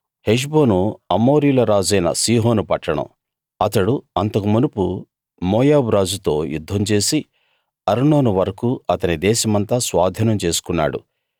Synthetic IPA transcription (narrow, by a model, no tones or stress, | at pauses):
heʃ̬bo̞ːnuɐmo̞ːɾijlɐɾaːd͡ʒɐjnɐ̰siːɦo̞ːnupɐʈːɐɽɐ̰m | ɐt̪ɐɽuɐnt̪ɐkumunupu | moːjaːbuɾaːd͡ʒut̪o̞ːjud̪ʱːɐmt͡ʃe̞ːsi | ɐɾɳo̞ːnuʋɐɾɐkuʔɐt̪ɐnid̪ɛːʃɐmɐnt̪aːsʋaːd̪ʱɐnɐmt͡ʃe̞ːsu̥kunːa̰ːɽṵ